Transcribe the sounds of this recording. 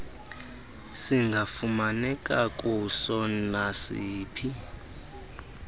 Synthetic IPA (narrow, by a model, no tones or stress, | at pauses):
siŋɡʱafumanɛkʼakʼusɔnasiːpʰi